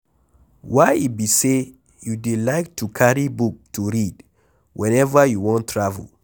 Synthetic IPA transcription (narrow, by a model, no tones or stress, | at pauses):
waɪibise | judelaɪk̚tʰukʰaɹibuk̚tʰuɹid | wʔɛ̃nɛvəjuwɔ̃ntʰɹavṵl